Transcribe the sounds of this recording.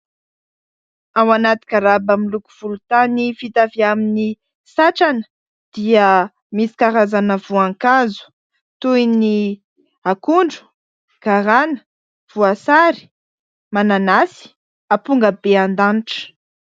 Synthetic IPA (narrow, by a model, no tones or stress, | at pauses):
awanat̪i̥kʲaɾabamilukuv̥ulut̪anifit̪aviamini | saʈ͡ʂanə̥ | d̪̥iə | misi̥kaɾazanəvuaŋkazu̥ | t̪ujni | akuɳɖ͡ʐu̥ | ɡ̥aɾanə̥ | v̥uasaɾi̥ | mananasi̥ | apuŋɡəbeand̪anʈ͡ʂə̥